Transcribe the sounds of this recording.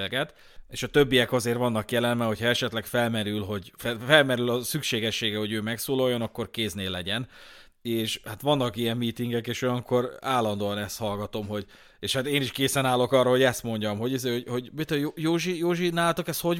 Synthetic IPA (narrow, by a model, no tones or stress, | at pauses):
lɡɛt̪ | eːʃɒt̪ø̞bːijɛkɒzeːɾʋɒnːɒkjɛlɛlmɛɦochɒɛʃɛt̪lɛkfɛlmɛɾylɦo̞ɟffɛlmɛɾylɒsykʃeːɡɛʃːeːɡɛho̞ɟøːmɛksoːlo̞jːo̞nɒkːo̞rkeːzneːlːɛɟɛn | eːʃhat̪ʋɒnːɒkijɛmːiːt̪iŋɡɛkeːʃojɒŋkʰo̞ɾaːlːɒnd̪oːɒnɛst̪hɒlɡɒt̪o̞mɦo̞ɟ | eːʃhat̪eːniʃkeːsɛnaːlo̞kɒrːɒɦo̞ɟɛst̪mo̞ɲɟɒmɦo̞ɟizeːhoɟho̞ɟbit̪ojojoːʒijoːʒinaːlt̪okɛst̪ho̞